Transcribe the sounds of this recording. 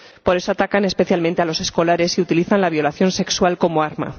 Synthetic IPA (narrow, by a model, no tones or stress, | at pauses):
po̞ɾe̞so̞at̪akane̞spe̞θjalmẽnt̪ealo̞se̞sko̞laɾe̞siut̪iliθanlaβjo̞laθjo̞nse̞kswalko̞moaɾma̰